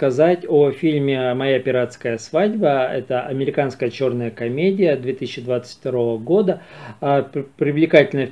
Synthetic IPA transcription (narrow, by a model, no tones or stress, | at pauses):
kɐzatʲofʲilʲmʲɪmɐjapʲɪɾat̪skəjəsvadʲbəɛ̰t̪əʔɐ̰mʲɪɾʲɪkanskəjət͡ɕo̞rnəjəkɐmʲedʲɪjəd̪vʲe̞t̪ɨisʲɪɕːɪd̪vat̪sɨ̥tʲft̪ɐɾo̞vəɡo̞d̪ə | pɾʲɪvlʲɪkatʲɪlʲnə